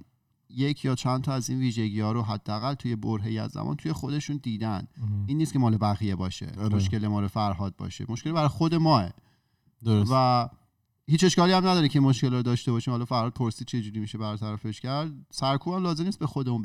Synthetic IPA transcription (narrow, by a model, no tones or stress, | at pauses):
jecʰjɒːt͡ʃʰænt̪ʰɒæziːnviːʒeɟiːɒːɾo̞ɦæd̪ːeæɣælt̪ʰuːje̞boɾɦejæ̰zːæ̰mɒ̰ːnt̪ʰuje̞xo̞d̪e̞ʃund̪iːd̪æniːnːiːst̪kʰʲcʰemɒːlebæɣijebɒːʃḛmoʃkʲe̞lemɒːɾofæɾɦɒːd̪̚bɒ̰ːʃḛmoʃkʲe̞lbæɾɒjxod̪e̞mɒːḛ | d̪ovæ | hiːt͡ʃe̞ʃkɒːliæmnæd̪ɒːɾimcʰeinmoʃce̞lɾd̪ɒːʃt̪ebɒːʃiːmhɒlɒːfæɾhɒːd̪̚pʰoɾsiːd̪̚t͡ʃʰe̞d͡ʒuːɾimiːʃebæɾt̪ʰæɾæfe̞ʃcʰæɾd̪̚sæɾkʰuːbæmlɒːzemnist̪be̞xod̪eun